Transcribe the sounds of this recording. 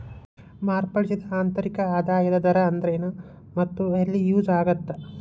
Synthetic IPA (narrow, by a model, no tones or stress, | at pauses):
maːɾpɐɭisid̪ɐaːnt̪ɐɾikɐaːd̪aːjɐd̪ɐd̪ɐɾɐːnd̪ɾenɐ | mɐt̪ːuɐlːijuːzaːɡɐt̪ːɐ